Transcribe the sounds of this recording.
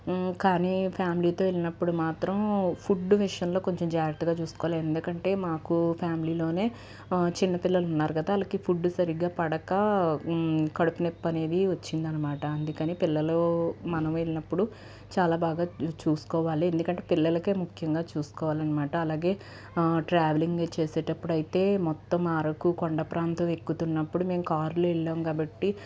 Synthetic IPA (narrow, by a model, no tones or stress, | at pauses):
kaːniːpʰjaːmiliːt̪o̞ːeɭinɐpːuɽumaːt̪ɾɐmpʰuɖːuʋiʂjɐnlo̞ːko̞ɲt͡ʃɐmd͡ʒaːɾɐk̚t̪ːuɡaːt͡ʃuːsu̥kɔːʋaliend̪ukɐɳʈe̞ːmaːkupʰjaːmiliːlo̞ːne̞ː | t͡ʃinːɐpilːɐlunːaːɾuɡɐd̪aɐlɐkipʰuɖːusɐɾiɡaːpɐɽɐkɐ | kɐɽupinepːɐne̞ːd̪iʋɐt͡ʃːind̪ɐnːɐmaːʈɐɐnd̪ukɐniːpilːɐloːmɐnɐmelinɐpːuɽu | t͡ʃaːlaːbaːɡaːt͡ʃuːsu̥kɔːʋaːliend̪ukɐɳʈe̞ːpilːɐlɐkeːmukʰjɐŋɡaːt͡ʃuːsu̥kɔːʋaːlɐnːɐmaːʈɐːlaːɡe̞ː | ʈɾaːʋeliŋɡet͡ʃeːseːʈɐpːuɽɐjit̪e̞ːmɔt̪ːɐmaːɾɐkukoɳɖɐpɾaːnt̪ɐʋe̞kːut̪unːɐpːuɽume̞ːmukaːɾloːɛɭːaːmkaːbɐʈːi